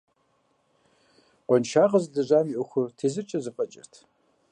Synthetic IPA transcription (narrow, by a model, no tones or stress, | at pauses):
qʷʼɔnʃaːʁɐzdɨʑʷaːmiʔoxʷʊrtʰeːzɨrt͡ʃʼɐzɨfʼɐt͡ʃʼɪ̰rtʰ